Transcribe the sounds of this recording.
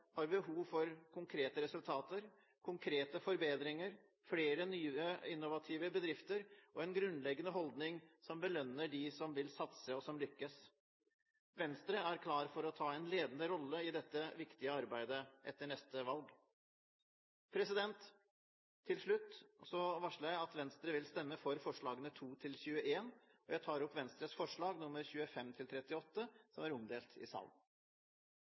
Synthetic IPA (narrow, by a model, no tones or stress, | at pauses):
hɑɾbəɦuːʋfɔɾkʰʊŋkʰɾeːt̪əɾɛsʉlt̪ʰɑːt̪əɾ | kʰʊŋkʰɾeːt̪əfɔɾbeːd̪ɾɪŋəɾ | fleːɾənyːəɪnːʊʋɑt̪ʰiːʋəbəd̪ɾɪft̪əɾʔɔɛnɡɾʉnlɛɡːənəɦɔld̪nɪŋsɔmbəlœnːəɖɪsɔmʋɪlsɑt̪səɔsɔmlʏkːəs | ʋɛnst̪ɾəæɾkʰlɑːɾfɔɾɔt̪ʰɑːɛnleːd̪ənd̪əɾɔlːəɪd̪ɛt̪ːəʋɪkt̪ɪəɑɾbæɪd̪əʔɛ̰t̪ːəɳɛst̪əʋɑlɡ | pʰɾɛsɪd̪ɛnt̪ʰː | ɪlʂɭʉt̪ːsɔʋɑʂəɾjæɪɑt̪ʋɛnst̪ɾəʋɪlst̪ɛmːəfɔɾfɔʂɭɑːɡənət̪ʰuːt̪ʰɪlçʉːəʔeːnɔjæɪt̪ʰɑːɾɔpːʋɛnst̪ɾəsfɔʂɭɑːɡnʊmːəɾçʉːəfɛmt̪ʰɪlt̪ʰɾɛt̪ːɪɔt̪ːəsɔmæɾɔmd̪eːlt̪ʰɪ̰sɑ̰ln